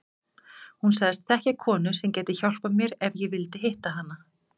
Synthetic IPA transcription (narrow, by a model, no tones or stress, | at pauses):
hunsaɣðst̪θɛhcɛkʰɔːnʏsɛmcɛːt̪ɪçawl̥pamjɛɾɛvjɛɣvɪlt̪ɪɦɪht̪aɦanːa